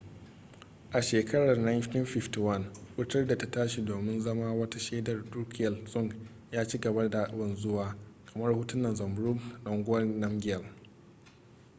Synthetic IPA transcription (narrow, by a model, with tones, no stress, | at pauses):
ʔa˨ʃeː˨kɐ˦ɽɐ˨rna˦jti˦nɸɪ˦fti˨wɐ˦nwʊ˦tɐ˦rda˨ta˦taː˦ʃi˨doː˨mɪ˦nzɐ˦maː˦wɐ˦ta˦ʃeː˦dɐ˨rduː˦kʰʲɪ˨jɐ˨lsʼʊ˦˨ŋɡ | jaː˦t͡ʃiː˦ɡɐ˨bɐ˦rda˨a˦˨ʔbɐ˨nzʊ˦waː˨kɐ˨mɐ˦rhʊ˦tʊ˦nːɐ˨nzɐ˨mbɾʊ˦ɡnɐ˨ŋɡʷʊ˦ɐ˦rnɐ˦mɡʲɪ˦jɐ˨l